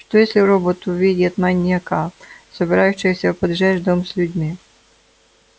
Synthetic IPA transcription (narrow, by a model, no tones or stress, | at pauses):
ʂt̪ɔjesʲlʲɪɾobɔt̪ʊʋʲidʲɐt̪manʲːiɐkasɔbʲɪɾajʊɕːɪjsʲɐpɔd̪ʐɛʒd̪ɔmsʲlʲʊdʲmʲi